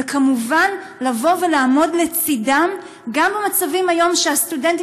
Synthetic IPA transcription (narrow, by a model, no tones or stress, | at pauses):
ekamuvan | lavo̞ve̞laːmo̞dle̞t͡sidam | ɡambemat͡savimajo̞mʃeastudenti